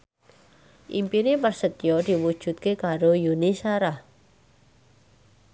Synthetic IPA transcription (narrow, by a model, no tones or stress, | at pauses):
ʔimpinipərsət̪ijɔd̪̥i̤wud̥ʒ̥ṳt̪̚kekaɾojunisaɾah